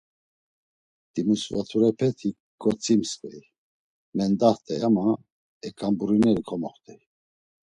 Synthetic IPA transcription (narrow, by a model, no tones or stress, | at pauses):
d̪̥imusvat̪ʰuɾɛpʰɛt̪ʰi | ɡɔt͡sʰʼimstɛj | mɛnd̪aht̪ʰʼɛjama | ɛkʰʼambuɾinɛɾikʰɔmɔχt̪ʰʼɛ